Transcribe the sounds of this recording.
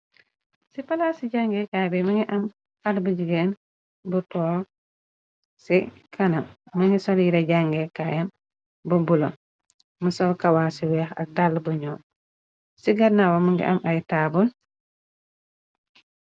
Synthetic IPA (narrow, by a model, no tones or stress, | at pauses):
sipalasiɟaŋɡɛkabɛmɐŋɡiʔam | hadbud͡ʒiɡen | butɔː | si | kʰanamː | aŋɡisɔljiɾaɟaŋɡɛkajɛn | bubulo | musɔlkawaːsiwɛxa̰k̚dalːbuɲɔ | siɡanawamuŋɡḭʔa̰mʔajtaːbul